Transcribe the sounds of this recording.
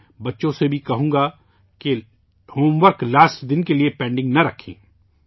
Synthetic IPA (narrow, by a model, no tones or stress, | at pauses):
bɐtːʃõsebʱikɐɦũːɡa | ke | hoːmʋəɾklaːsʈd̪ɪnkeliepɛ̃ːɳɖɪ̃ŋɡnɐɾɐkʰḭ̃ː